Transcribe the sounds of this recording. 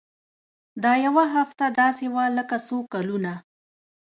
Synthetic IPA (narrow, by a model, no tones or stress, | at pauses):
d̪ɑjawaɦaft̪ad̪ɑsewaləkasokaluna